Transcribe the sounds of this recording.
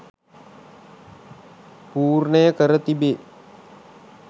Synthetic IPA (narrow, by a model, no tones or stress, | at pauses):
puːrnəjəkəɾət̪ibe